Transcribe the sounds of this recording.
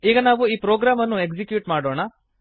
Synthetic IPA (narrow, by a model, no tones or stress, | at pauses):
iːɡɐnaːʋuiːpɾoːɡɾaːmɐnːuekd͡ʒikjuːʈmaːɽoːɳɐ